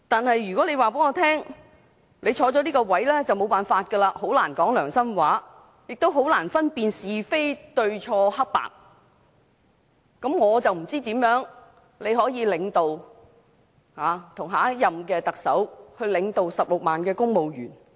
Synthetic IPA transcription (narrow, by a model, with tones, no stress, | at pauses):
t̪aː˨nhɐ˨jːyː˨kɔː˨˥le˨˧jwaː˨peː˨˥ŋɔː˧t̪ʰɛː˥ŋ | le˨˧jt͡ʃʰɔː˨˧t͡ʃɔː˨˧˥liː˥kɔ˧wɐ˨˥jlɛː˥t͡sɐ˨wmo˨˧wpaː˨nfaː˧t̚kə˧laː˧ho˨˥wlaː˨˩nkɔː˨˥ŋlœː˨˩ŋsɐ˥mwaː˨˥ | jɪ˨k̚t̪o˥wɦo˨˥wlaː˨˩nfɐ˥npiː˧nsiː˨fe˥jt̪ɵ˧ɥt͡ʃʰɔː˧hɐ˥k̚pa̰ː˨k̚ | kɐ˨˥mŋɔː˨˧t͡sɐ˨wm̩˨˩t͡siː˥t̪iː˨˥mjœː˨˥ŋ | le˨˧jɦɔː˨˥jiː˨˧lɪ˨˧ŋt̪o˨w | haː˨˧t̪ʰʊ˨˩ŋɦaː˨˥jɐ˨mkɛː˧t̪ɐ˨k̚sɐ˨˥whɵ˧ɥlɪ˨˧ŋt̪o˨˧wsɐ˨p̚lʊ˨k̚maː˨nkɛː˧kʊ˥ŋmo˨wjyː˨˩n